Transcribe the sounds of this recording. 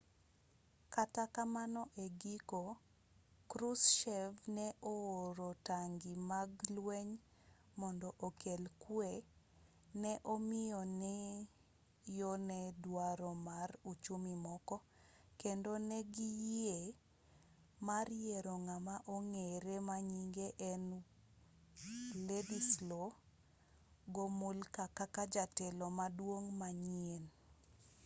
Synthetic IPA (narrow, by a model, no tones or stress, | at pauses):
katakamanɔʔeɡiko | kɾusʃɛvnɛʔooɾotaŋɡimaɡlwɛɲ | mɔndɔʔokelkwe | nɛʔomɪjɔnɛ | jɔnɛdwaɾɔmarut͡ʃomimɔkɔ | kendonɛɡije | marjeɾoŋamaʔoŋeɾemaɲiŋɡeʔɛn | ledislo | ɡomulkakakad͡ʒatɛlɔmadwoŋmaɲien